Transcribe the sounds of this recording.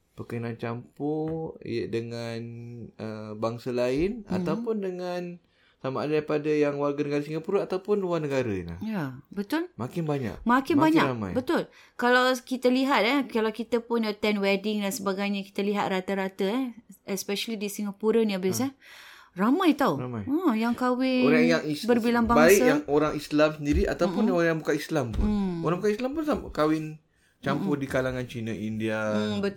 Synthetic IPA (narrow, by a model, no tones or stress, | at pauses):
pəkənant͡ʃampɔḭjə̰dəŋanəbaŋsəlaɪna̰t̪awpʊndəŋan | samaadadaipadajaŋwarɡanəɡaɾasiŋapuɾəat̪awpʊnluarnəɡaɾaḭnla̰hjabət̪ʊlmakɪnbaɲa̰k̚makɪnmbaɲɲaɾamã̰jbət̪ʊl | kalawkit̪əliɦat̪̚ɛkalawkit̪əpʊnət̪ɛnwɛdɪŋdansəbaɡajɲaki̥t̪əliɦat̪̚rat̪əɾat̪əɛɛspɛʃəlidisiŋapuɾənĩabɪsɛ | ramãjt̪awɾamajəjaŋkawɪɾaŋjaŋisbərbilaŋbabaisajaŋoɾaŋislamsəndiɾiʔa̰t̪awpʊnoɾjabukaislampʊnnoɾaŋbukaislampʊnsamkawɪn | t͡ʃampʊdikalaŋant͡ʃinaʔindiabə